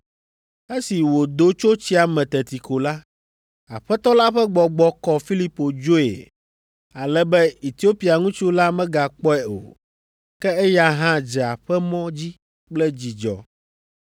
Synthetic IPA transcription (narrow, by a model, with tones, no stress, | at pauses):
e˦si˨wo˨d̪o˦t͡ʃo˦t͡ɕi˦a˨mɛ̃˨t̪ɛ˨t̪i˨ko˨la˦ | a̰˨ɸɛ˦t̪ɔ˦la˦ɸɛ˦ɡ͡bɔ˨ɡ͡bɔ˦kɔ˦fi˦li˦po˨d͡ʒo˦ḛ˨ | a˨lɛ˦bɛ˦i˨t̪i˦o˦pi˨a˨ŋũ˦t͡ʃu˦la˦mɛ̃˦ɡa˨k͡pɔ˦ɛ˨o̰˨ | kɛ˦ɛ˦ja˦ɦã˦d͡ʒɛ˨a˨ɸɛ˦mɔ̃˦d͡ʑi˦ | k͡plɛ˦d͡ʑi˨d͡ʒɔ̰˨